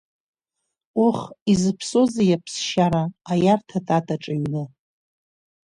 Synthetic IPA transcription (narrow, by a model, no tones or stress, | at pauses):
uχizɨpʰso̞zajapʰsʃaɾaːjartʰatʼatʼaʈ͡ʂʼaɥnɨ